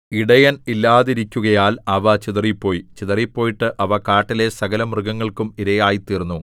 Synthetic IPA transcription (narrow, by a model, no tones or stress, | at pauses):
iɽɐjɐnilːaːðiɾikʲːuɣɐjaːlɐʋɐt͡ɕiðɐripːo̞ːjit͡ɕiðɐripːo̞ːjiʈːɨʔɐʋɐkaːʈːile̞sɐɣɐlɐmrɨɡɐŋːɐɭkumiɾɐjaːjit̪ːiːrnːu